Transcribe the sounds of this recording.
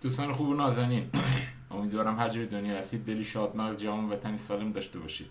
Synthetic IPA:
d̪̥uːst̪ɑːnexuːbunɒːzæniːn | omiːd̪vɒːɾæmhæd͡ʒɾid̪onjɒːæst̪iːd̪̚d̪eliːʃɒːd̪mæʁzd͡ʒævɒːnvæt̪ʰænisɒːlemd̪ɒːʃt̪ebɒːʃiːd̪̥

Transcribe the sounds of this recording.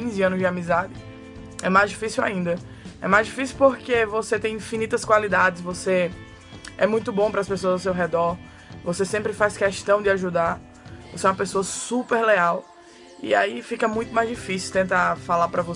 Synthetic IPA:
ĩzɪɐ̃nʊzd͡ʒɪamizad̪ɪ | ɛmajzd͡ʒifisiwa̰ĩnd̪ɐ | ɛ̰majzd͡ʒifisiuwpoɾkevoset̪ẽj̃ĩfinit̪ɐskwalid̪ad͡ʒɪsvose | ɛ̰mũj̃t̪ʊbõpɾɐːspesoɐzaws̬ewɦɛd̪ɔɾ | vosesẽmpɾɪfajskɛʃt̪ɐ̃w̃d̪ɪaʒud̪aɾ | voseɛũɐpesoɐsupeɾleaw | ḭaifikɐmũj̃t̪ʊmajzd͡ʒifisiwt̪ẽt̪afalapɾɐvo

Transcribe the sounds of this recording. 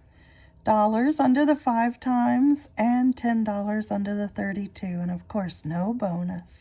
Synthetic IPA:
d̥ɔlˠə˞zʌ̃ndə˞ðəfaɪv̥tʰãɪ̃mzɨ̃ntʰɛ̃ndɔlˠə˞zʌ̃ndə˞ðɨθɜ˞ɾitʰʉɨ̃ñʌv̥kʰɔɹsnoʊbõʊ̃nɨs

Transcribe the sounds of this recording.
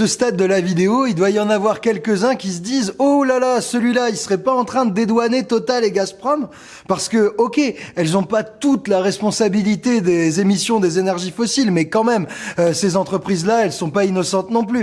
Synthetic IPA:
səst̪ad̪ːəlavid̪eoild̪waiɑ̃navwaʁkʲɛlkʲəzɛ̃kʲisəd̪izolalasəlɥilailsə̥ʁɛpaɑ̃t̪χɛ̃d̪əd̪ed̪wanet̪ɔt̪alːeɡaspχɔm | paʁsə̥kəɔkʲeɛlzɔ̃pat̪ut̪laʁɛspɔ̃sabilit̪ed̪ezemisjɔ̃d̪ezenɛʁʒifɔsilmɛkɑ̃mɛmøsezɑ̃t̪χəpχizlaɛlsɔ̃painɔsɑ̃t̪nɔ̃ply

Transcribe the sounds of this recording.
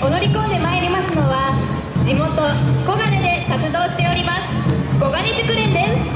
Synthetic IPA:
ko̞no̞ɾʲiko̞ːd̪e̞maeɾʲimasɨno̞βa | d͡ʑimo̞t̪o̞ko̞ɡaɾed̪e̞t̪at͡sɨd̪o̞ːɕi̥t̪e̞oɾʲimasɨ̥ɡ̥o̞ɡaɲ̟it͡ɕɨkɯ̟ɾẽnd̪e̞sɨ̥

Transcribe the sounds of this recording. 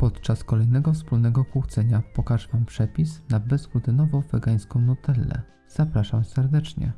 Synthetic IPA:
pɔt̪t͡ʂaskɔlɛjnɛɡɔfspulnɛɡɔkwuxt̪sɛɲapɔkaʐvam̃pʂɛpʲisnabɛzɡud̪ɘnɔvɔ̃w̃vɛɡaj̃skɔ̃w̃nɔt̪ɛlːɛ̰ | z̥apɾaʂamsɛɾd̪ɛt͡ʂɲɛ̰

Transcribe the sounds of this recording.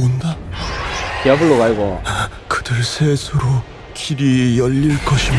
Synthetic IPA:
onda | kiʌbɯɭːoɡaɭɡo̰a | kɯd̥ɯɭsʰesʰɯɾo | kiɾijʌʎːiɭk͈ʌɕʰim

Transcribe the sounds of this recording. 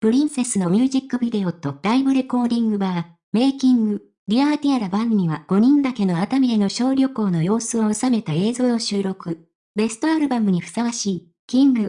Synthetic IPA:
pɯ̟ɾʲĩɰ̃se̞sɨno̞mʲɨːʑikːɯ̟bʲid̪e̞o̞t̪o̞ɾaibɯɾe̞ko̞ːd̪ʲĩŋɡɯ̟ba | me̞ːkʲĩŋɡɯ̟ | ɾʲiaɾt̪ʲiaɾabãnːiβaɡ̥o̞ɲ̟ĩnd̪ake̞no̞at̪amʲieno̞ɕo̞ːɾʲo̞ko̞ːno̞jo̞ːsɨo̞osame̞t̪ae̞ːzo̞ːoɕɨːɾo̞kɯ̟ | be̞sɨ̥t̪o̞aɾɯ̟bamɯ̟ɲ̟iɸɯ̟̥saβaɕiː | kʲĩŋɡɯ̟

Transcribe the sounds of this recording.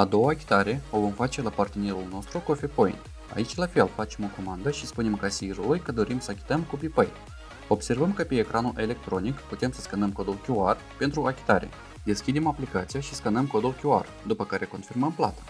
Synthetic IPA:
ad̪o̞waːkʲi̥t̪aɾe̞o̞vo̞mfat͡ʃe̞lapart̪e̞ne̞ɾulno̞st̪ɾuko̞fe̞po̞ḭnt̪ | a̰it͡ʃʲlafe̞lfat͡ʃe̞mo̞ko̞mand̪əʃispunemkasiɾulujkəd̪o̞ɾimsəakʲi̥t̪əmkupipəj | o̞bse̞rvəmkəpe̞ːkɾʔanuʔe̞le̞k̚t̪ɾo̞nikput̪e̞msə̥skənəmko̞d̪ulkʲuar | pe̞nt̪ɾuakʲi̥t̪aɾe̞̰ | d̪e̞skʲid̪e̞maplikat̪sijaʃiskənəmko̞d̪ulkʲua̰r | d̪upəkaɾe̞ko̞nfirməmpla̰t̪ḁ

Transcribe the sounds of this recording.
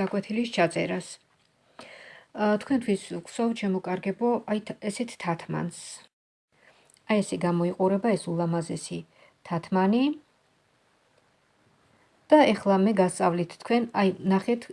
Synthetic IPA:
akʼwɛt̪ʰilist͡ʃʰat̪sʼɛ̰ɾas | t̪ʰkʰwɛnt̪ʰwiskʰsɔvʃʰɛmɔkʼaɾɡɛbɔʔajɛsɛt̪ʰt̪ʰat̪ʰma̰ns | ajɛsɛɡamɔiqʼuɾɛbaɛsulˠamazɛsi | t̪ʰat̪ʰmani | d̪̥aɛχlˠamɛɡast̪sʼavlit̪ʰt̪ʰːkʰwɛnajnaχɛt̪ʰ

